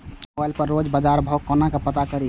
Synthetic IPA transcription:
alpəɾːod͡ʒbəd͡ʒaɾbʱəwkənakepət̪akəɾi

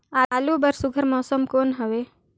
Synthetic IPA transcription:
aːaːluːbɐɾsʊɡʱəɾmɔːsəmkoːnɦɐʋeː

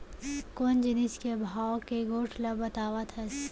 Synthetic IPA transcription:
kond͡ʒɪnɪskebʱaːwkeɡoːʈʰlɐbɐt̪aːʋat̪ʰɐs

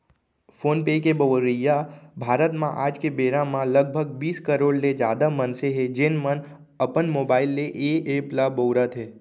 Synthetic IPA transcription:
fʰoːnpekebəɾəjabʱaːɾət̪mã̰ʔaːd͡ʒkebeːɾãmãləɡ̚bʱəɡbiːskəɾoːɽled͡ʒjaːd̪amənseɦed͡ʒeːnmən | əpənmoːbaːɪlːeʔeeplabowɾət̪ɦeː

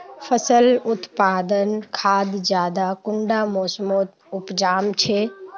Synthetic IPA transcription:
pʰəsəlʊt̪paːd̪ənkʰaːd̪d͡ʒjaːd̪akʊɳɖamoːsmoːt̪ | ʊpd͡ʒaːmt͡ʃʰe

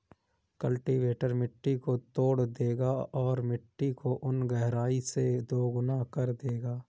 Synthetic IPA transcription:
kəlʈiʋeːʈəɾmɪʈːikot̪oːɽd̪eːɡaɔːɾmɪʈːikoʔʊnɡɛɦɾaːised̪oːɡʊnakɐɾd̪eːɡaː

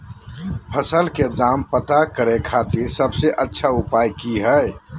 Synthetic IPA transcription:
pʰəsəlked̪aːmpət̪akəɾekʰaːt̪iɾsəbseʔətːʃʰaʊpaːjkiɦɛ

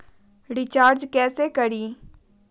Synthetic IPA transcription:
ɖɪt͡ʃaːɾd͡ʒkɛːsekɐɽiː

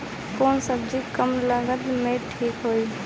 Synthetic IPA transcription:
koːnsəbd͡ʒikəmləɡəd̪mẽʈʰiːkɦoːiː

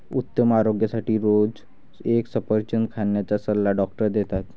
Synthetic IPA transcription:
ut̪ːəmaɾoɡjasaʈiːɾod͡z | eksəpəɾt͡ɕənkʰaɳjat͡ɕasəlːaɖɔkʈəɾd̪et̪at̪

